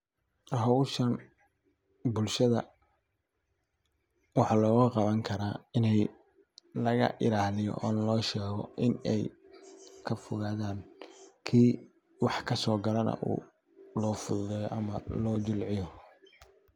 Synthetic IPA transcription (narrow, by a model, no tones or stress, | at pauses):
rhɐwʃɐn | bʊlʃɐðɐ | wɑħɑːlɔːɣʊqɑβɐŋkʰɐɾaːɪnɛj | lɐɣɐ̰ʔɪɾaːlɪjɔ̰ʔɔ̰ːnlɔːʃɛːɣɔʔɪnɛj | kʰɐfʊɣaːðaːnkʰiː | wɑħkʰɐsɔːɡɐlɐnɐ̰ʔṵː | lɔːfʊðʊðɛjʔɐmɐlɔːd͡ʒɪlʕɪjɔ